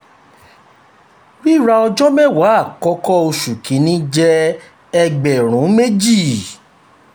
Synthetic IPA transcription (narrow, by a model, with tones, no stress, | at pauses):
wi˦˨ɾa˧ɔ˧d͡ʒɔ˦mɛ̃˦˨wa˨˦a˦˨kɔ˨˦kɔ˦o˧ʃu˨kĩ˨˦nĩ˦d͡ʒɛ˦ | ɛ˧ɡ͡bɛ˨ɾ̃ũ˨˦me˦d͡ʒi˦˨